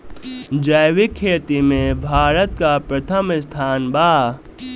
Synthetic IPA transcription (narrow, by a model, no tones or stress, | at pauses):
d͡ʒəjʋikʰːeːt̪imẽbʱaːɾət̪kapɾət̪ʰəmɪst̪ʰaːnba